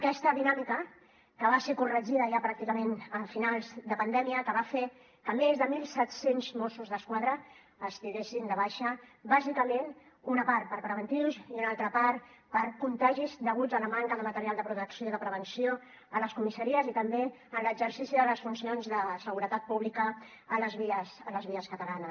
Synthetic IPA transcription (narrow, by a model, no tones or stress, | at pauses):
əkɛst̪əðinamikə | kəβ̞asekurəʒiðəʒapɾak̚t̪ikəmenəfinalˠzd̪əpənd̪ɛmiəkəβafe | kəmezðəmilˠsɛt̪senzmosuzðəskwaðɾəː | st̪iɾesind̪əβ̞aʃəbazikəmẽn | unəpaɾt̪pəɾpɾəβənt̪iwziunalˠt̪ɾəpaɾ | pəɾkunt̪aʒizd̪əɣud͡zələmaŋkəðəmət̪əɾialˠd̪əpɾut̪əksijoiðəpɾəβ̞ənsio | ələskumisəɾiəzit̪əmbe | ənləɡzəɾsisiðələsfunsionzðəsəɣuɾət̪at̪̚puβlikəː | ləzβiəsələzβiəskət̪əlanə